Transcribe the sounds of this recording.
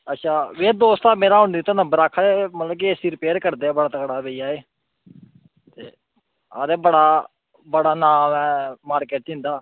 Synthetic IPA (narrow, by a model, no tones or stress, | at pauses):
ətːʃʰaːʋeːd̪oːst̪aːmeːɾaːɦʊɳd̪iːt̪anəbəɾaːk̪ʰːemət̪ləb̚k̬iːesiːɾɪpeːɾkəɾd̪eːɛːbəɽaːt̪əkɽaːbeiaːeː | t̪ḛː | a̰ːd̪eːbəɽaː | bəɽaːnaːmɛ̃ːmaːɾkeːʈɪ̃ːnd̪aː